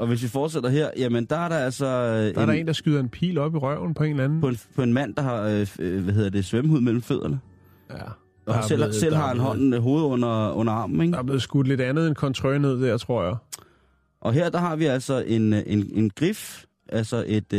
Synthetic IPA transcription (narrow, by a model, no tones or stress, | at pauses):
ʔɒ̽ʋe̝s̬ʋifɒːd̥sed̥ɐɦeɐ̰jæmənd̥ɑ̈æɐɾɑ̈ælsɒdɑɐɾɑe̝̰ːnd̥ɑ̈sɡ̥yːðˠɐe̝npʰḭːlɒ̽b̥iʁɶʊ̰n̩pʰɒ̽e̝nlæn̩pʰɒpʰɒ̽e̝nmæn̰d̥ɑ̈hɑ̈ʋæɦe̝ð̰ˠd̥e̝sʋemuð̰ˠmel̰m̩føð̞̰ˠɐnə | jæ | ɒel̰sel̰ɦɑ̈enɦɒ̽n̰ɦo̝ːð̞̩ˠɔn̰ɐɔ̽n̰ɐɑ̈ːmn̩eɡd̥ab̥le̝ðˠsɡ̥ud̥le̝d̥ænð̞̩ˠenkʰɒ̽nt͡sʰʁœɪne̝ð̞̰ˠd̥æɐ̰t͡sʰʁo̝ɐ̰jä | ʔɒ̽ɦeɐ̰d̥ɑ̈ɦɑ̈ʋiæl̰sɒʔe̝nene̝nɡ̥ʁif | ʔælsɒʔe̝d̥